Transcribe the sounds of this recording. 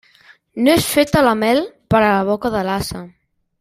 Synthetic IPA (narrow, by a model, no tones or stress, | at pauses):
noesfet̪əlamɛlpəɾəlaβ̞ɔkəðəlasə